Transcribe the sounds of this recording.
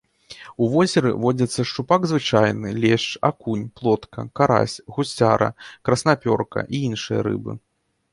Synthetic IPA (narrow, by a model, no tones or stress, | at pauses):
uvɔzʲɛɾɨ̰vɔd͡zʲɐt̪sːɐʂt͡ʂupaɡzvɨt͡ʂajnɨlʲɛʂt͡ʂa̰kunʲplˠɔt̪kɐ̰kaɾa̰sʲɣusʲt͡sʲaɾɐ̰kɾɐsnapʲɔrkɐ̰ʔiinʂɨjɐ̰ɾɨ̰bɨ̰